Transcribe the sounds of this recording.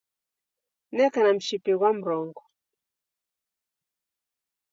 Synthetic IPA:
nɛkanam̩ʃipɛɣwam̩ɾɔŋɡɔ

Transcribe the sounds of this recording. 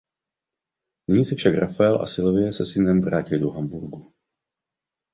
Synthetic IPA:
nɪɲiːsɛfʃakɾafaɛlʔa̰sɪlvɪjɛsɛsɪnɛmvɾaːcɪlɪdoɦambuɾɡu

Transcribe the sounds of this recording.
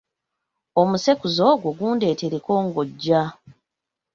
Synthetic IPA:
omuse̞kuzo̞ɡwoɡuːnde̞ːte̞ɾeko̞ːŋɡoɟːa

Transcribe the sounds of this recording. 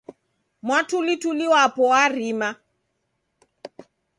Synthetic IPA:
mwatʰulituliwapɔwarima

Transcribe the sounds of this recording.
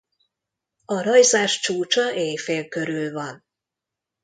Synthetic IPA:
ɒɾɒjzaːʃt͡ʃuːt͡ʃɒʔeːjfeːlkøɾylvɒn

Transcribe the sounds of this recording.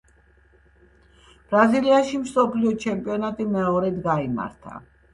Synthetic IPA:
b̥ɾaziliaʃimsɔpʰliɔt͡ʃʰɛmpʼiɔnat̪ʼimɛɔɾɛd̪ɡaima̰ɾt̪ʰa̰

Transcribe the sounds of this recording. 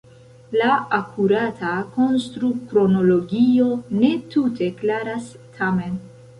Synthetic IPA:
laakʰuɾatʰako̞nstɾukɾo̞no̞lo̞ɡio̞ne̞tʰute̞klaɾas | tʰame̞n

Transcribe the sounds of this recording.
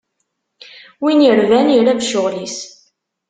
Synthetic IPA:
winəɾvæniɾævʃʊʁlis

